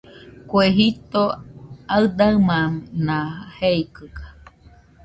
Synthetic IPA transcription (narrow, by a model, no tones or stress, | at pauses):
kweɦit̪oaɨd̪aɨmãnãheikɨkḁ